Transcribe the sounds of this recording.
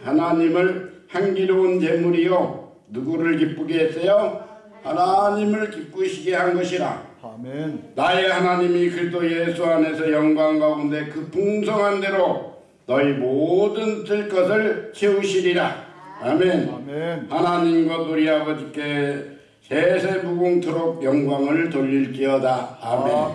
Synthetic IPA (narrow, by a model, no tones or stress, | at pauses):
hanaɲimɯɭ | hanɡiɾont͡ɕe̞muɾijo | nuɡuɾɯɭk̬ip͈uɡiɦes͈ʌjo | hanaɲimɯɭkip͈̚uɕʰiɡeɦanɡʌɕʰiɾa̰ | naehanaɲimikʰɯɾistʰoje̞sʰuane̞sʰʌjʌŋɡwaŋɡaɦaunde̞kɯpuŋsʰʌŋɦande̞ɾo | nʌimodɯnt͈ɯɭk͈ʌs̬ʰɯɭt͡ɕʰeuɕʰiɾiɾaamenhanaɲimɡwauɾiɦabʌd͡ʑik͈e̞ | sʰe̞sʰe̞buɡoŋtʰɯɾok̚jʌŋɡwaŋɯɭtoʎːiɭk͈iʌdaamen